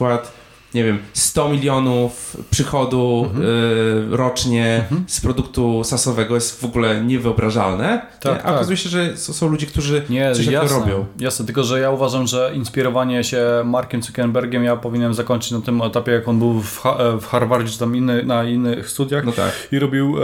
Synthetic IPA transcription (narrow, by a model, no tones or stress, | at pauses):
kwat̪ | ɲɛvʲjɛmst̪ɔmʲilʲjɔnufpʂɘxɔd̪u | ɾɔt͡ʂɲɛspɾɔd̪ukt̪usasɔvɛɡɔjɛst̪vɔɡulɛɲɛvɨɔbɾaʐa̰lnɛ | t̪aɛ̰ʔa̰ɔkazujɛɕɛʐɛssɔ̃w̃lud͡ʑɛkt̪uʐɘɲɛjɛasɔɾɔb̪bjɔ̃w̃jasnɛt̪ɘlkɔʐɛjauvaʐamʐɛʔinspʲiɾɔvaɲɛɕɛmaɾkʲɛmt̪ukʲɛnbɛɾɡʲɛmjapɔvʲiɲɛnɛnmzakɔɲt͡ʂɘ̥t͡ɕnat̪ɘmɛt̪apʲɛjakɔnbɘwfafxaɾvaɾd͡ʑɛɨt̪aminːɘnainːɘxst̪ud̪ʲjaxnɔt̪a̰kiɾɔbʲiw